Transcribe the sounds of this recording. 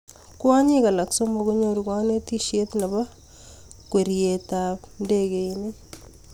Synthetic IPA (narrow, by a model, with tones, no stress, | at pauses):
kwa˦ɲi˦ka˨la˨kso˦mbo˨ku˦ɲoɾukwa˦ne˦ti˦ʃje˦t̪na˨βa˦ | kwe˨ɾjetandeɡe˨ine˦